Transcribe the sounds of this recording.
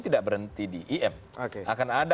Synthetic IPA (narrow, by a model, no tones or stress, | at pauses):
t̪idaʔ̚bəɾənt̪idiʔiʔɛm | okeakanad